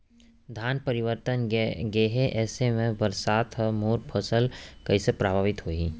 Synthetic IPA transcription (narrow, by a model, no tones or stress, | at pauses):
d̪ʱaːnpɐɾɪʋəɾt̪ənɡeːɦeʔɛːsemẽbəɾsaːt̪ɦəmoːɾpʰosəlkɐisepɾaːbʱaːʋɪt̪ɦoːiː